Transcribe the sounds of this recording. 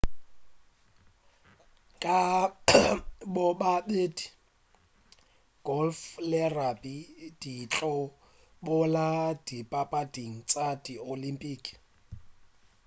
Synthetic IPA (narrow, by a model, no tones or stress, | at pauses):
kʼa | bɔbabeːdi | ɡ̥ɔlflɪrabid̥it͡ɬʼɔ | bʊlad̥ipʼapʼadiŋ̩t͡sʼadiolimpʼiːkʼ